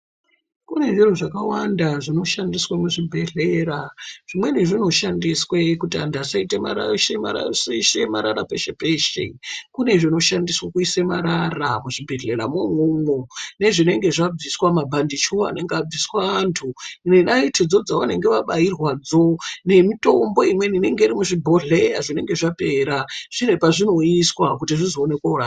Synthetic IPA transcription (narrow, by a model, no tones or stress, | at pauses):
kune̞ʐin̤uʐakawandaʐino̞ʃandiswamuʐibʱe̞ɮeɾaʐ̥imwe̞niʐino̞ʃandiswekutiandasaitema̰aʃea̰sʃemaɾaɾapeʃepeʃḛkune̞ʐino̞ʃandiswakuisemaɾaramuʐibʱe̞ɮe̞ɾamumumone̞ʐine̞ŋɡe̞ʐab͡viswamabʱandit͡ʃʰua̰ne̞ŋɡeab͡viswaantʰunenaitʰid͡zo̞d͡zaʋane̞ŋɡe̞ʋaɓairwad͡zone̞mito̞mbo̞imwenineŋɡe̞iɾimuʐibʱo̞ɮejaʐine̞ŋɡeʐapeɾaʐ̥ine̞paʐino̞iswakutiʐizoːne̞kwaura